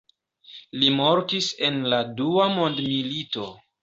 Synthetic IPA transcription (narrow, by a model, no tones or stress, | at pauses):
limoɾtise̞nladuamo̞ndmilito̞